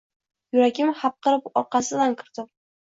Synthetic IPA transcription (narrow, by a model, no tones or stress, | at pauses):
jʊɾakʲɪmhap̚qɨɾɪpɒɾqɑsɪlankʲʰɪɾd̪ɪ